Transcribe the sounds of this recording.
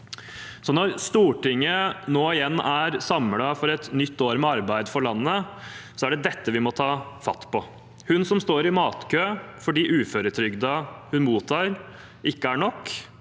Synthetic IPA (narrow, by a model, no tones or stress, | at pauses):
sɔnɔɾst̪uːʈɪŋːənoːɪjɛnːæɾsɑmlɑfɔɾɛt̪nʏt̪ːoːɾmɛɑɾbæɪd̪fɔɭɑnːəsɔæɖɛd̪ɛt̪ːəʋɪmɔt̪ʰɑːfɑ̰t̪ːpɔ | hʉnsɔmst̪oːɾɪmɑːt̪kʰøːfɔɖiːʔʉːføːɾət̪ʰɾʏɡd̪ɑhʉnmuːt̪ʰɑːɾ | ʔɪkːəæɳɔkː